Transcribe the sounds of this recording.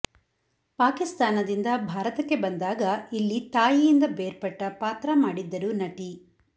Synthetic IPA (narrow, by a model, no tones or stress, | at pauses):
paːkist̪aːnɐd̪ind̪ɐbʱaːɾɐt̪ɐkːe̞bɐnd̪aːɡɐilːit̪aːjijind̪ɐbeːɾpɐʈːɐpaːt̪ɾɐmaːɽid̪ːɐɾunɐʈi